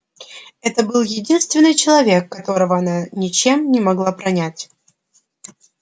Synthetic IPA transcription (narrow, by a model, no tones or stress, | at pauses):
ɛt̪əbɨlˠjɪdʲinst̪vʲɪnːɨjt͡ɕɪlˠɐvʲe̞kːɐt̪o̞ɾəvəɐnanʲɪt͡ɕe̞mnʲɪmɐɡlˠapɾɐnʲætʲ